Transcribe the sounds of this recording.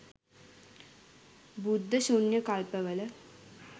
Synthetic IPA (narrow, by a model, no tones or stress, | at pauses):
bud̪ʱːɐɕunjɐkalpɐʋɐlə